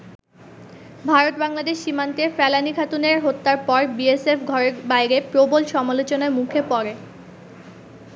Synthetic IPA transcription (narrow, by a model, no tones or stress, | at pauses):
bʱaɾot̪̚baŋlad̪eʃːimant̪efɛlanikʰat̪uneɾɦot̪ːaɾpɔɾbiesefɡʱɔɾeɾbajɾepɾobolʃɔmalot͡ɕonamukʰepɔɾe